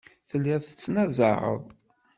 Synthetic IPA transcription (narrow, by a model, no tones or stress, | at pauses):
θəlːæθə̥t͡sːnæzˤə̰ʁə̰ðˤ